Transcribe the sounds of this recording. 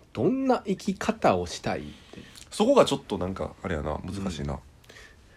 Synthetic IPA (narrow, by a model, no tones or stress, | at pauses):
d̪̥õ̞nːaʔikʲikʰat̪ao̞ɕi̥t̪aḭt̪ːeso̞ko̞ɡat͡ɕo̞t̪ːo̞nãŋka̰ːɾɯjana̰mɯ̟zɨkaɕḭːna̰